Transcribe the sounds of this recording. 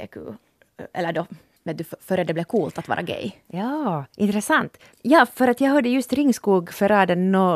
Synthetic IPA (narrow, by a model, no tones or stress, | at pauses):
ɛ̰kʰʉ̰ | ɛ̰lːəɖɔ | mɛnd̪ʉffœɾɛd̪ɛblɛkʰuːlt̪at̪vɑ̰ːɾa̰ɡɛ̰jjɑːʔɪnt̪ɾɛsant̪ | jɑːfœɾat̪jɑːɡɦɑd̪ːəjɵst̪ɾɪŋːskuːɡfœɾɑːd̪ɛnɔ